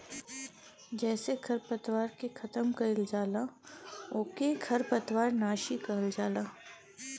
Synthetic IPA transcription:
d͡ʒɛːseɡʰɐɾpət̪waːɾkekʰɐt̪əmkɐɪld͡ʒaːla | oːkeɡʰʱɐɾpət̪waːɾnaːʃikɐəld͡ʒaːlaː

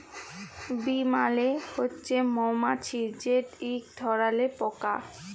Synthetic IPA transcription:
bimalehotːɕʰemɔmat͡ɕʰid͡ʑeʈikd̪ʱɔɾalepɔka

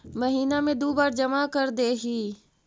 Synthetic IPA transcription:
məɦiːnamẽd̪oːbaːɾd͡ʒɐmakəɾd̪eːɦiː

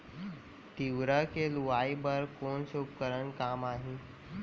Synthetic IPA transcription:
t̪iʋɾəkeluʋaːibəɾkoːnseʊp̚kəɾənkaːmaːɦĩː

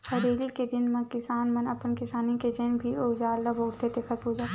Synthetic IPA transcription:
ɐɾeːliked̪ɪnmɐ̃kɪsaːnmɐnɐpənkɪsaːniked͡ʒeːnbʱioːd͡ʒaːɾlɐboːɾt̪et̪eːkʰəɾpuːd͡ʒaː

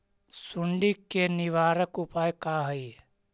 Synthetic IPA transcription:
sʊɳɖikːenɪʋaːɾəkʊpaːjkaːɦəi

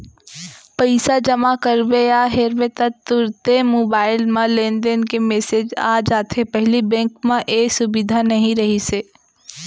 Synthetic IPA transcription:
pɐɪsad͡ʒɐmakəɾbeaɦeɾbet̪ɐt̪ːʊɾt̪emoːbaːɪlmãlẽːnd̪enkemeːseːd͡ʒa̰ːd͡ʒaːt̪ʰepɛɦlibɛ̃ːŋkmãʔeːsʊbɪd̪ʱanɐɦĩɾɐɦiseː

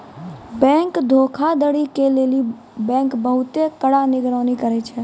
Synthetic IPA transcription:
bɛ̃ːŋkd̪ʱoːkʰad̪əɽikeleːli | bɛ̃ːŋkbəɦʊt̪ekəɽanɪɡɾəːnikəɾet͡ʃʰɛː

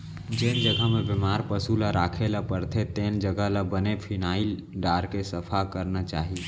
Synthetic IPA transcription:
d͡ʒend͡ʒəɡʱəmebemaːɾpəsulaɾaːkʰelapəɾt̪ʰet̪eːnd͡ʒəɡʱəlabənepʰinaːil | ɖaːɾkesəpʰakəɾnat͡ʃa̰ːɦi

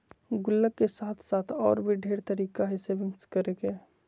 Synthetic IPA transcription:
ɡʊlːəkːesaːt̪ʰsaːt̪ʰɔːɾbʱiɖʱeːɾt̪əɾiːkaɦɛsebʱɪŋskəɾeke

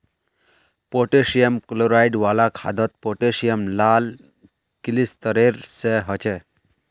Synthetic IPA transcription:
poʈesijəmkloɾajɖʋalakʰad̪ɔt̪̚poʈesijəmlal | kilist̪əɾeɾseɦʌt͡ʃɛ

